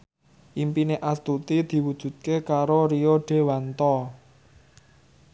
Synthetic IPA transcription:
ʔimpineʔast̪ut̪id̪̥i̤wud̥ʒ̥ṳt̪̚kekaɾoɾioɖ̥e̤want̪ɔ

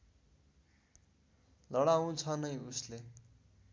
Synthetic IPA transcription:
lʌɽaũt͡sʰʌnʌjusle

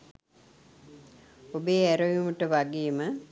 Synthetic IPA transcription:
obejæɾojumuʈəʋaɡijmə

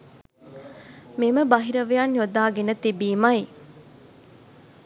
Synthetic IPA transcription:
meməbaɦiɾəʋejanjod̪aːɡenət̪ibiːmaj

